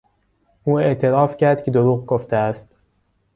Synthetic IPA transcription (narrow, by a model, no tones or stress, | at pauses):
ʔuːe̞ʔt̪ʰe̞ɾɒːfcæɾd̪̥̚cʰed̪oɾuːɣɡoft̪eæst̪